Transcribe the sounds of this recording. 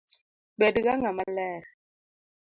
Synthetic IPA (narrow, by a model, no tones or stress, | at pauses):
bɛdɣaŋamalɛɾ